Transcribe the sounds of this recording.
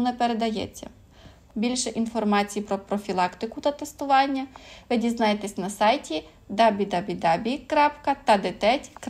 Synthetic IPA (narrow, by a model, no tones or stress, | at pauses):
nɛpeɾed̪ɐjɛ̰t͡sʲːɐ̰ | bʲilʲʃɛʔinfɔrmɑt͡sʲijipɾɔpɾɔfʲilˠɑkt̪ɪkʊt̪ɐt̪est̪ʊʋɑnʲːɐʋɪdʲiznɑjet̪ɛsʲnɐsɑjtʲi | d̪ɑbʲid̪ɑbʲid̪ɑbʲikɾɑpkɐt̪ɐd̪et̪ɛtʲk